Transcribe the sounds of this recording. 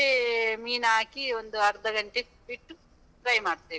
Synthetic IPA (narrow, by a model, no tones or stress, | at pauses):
emiːnaːkiond̪uɐɾd̪ɐɡɐɳʈe | biʈːu | ʈɾɐjmaːɽt̪eː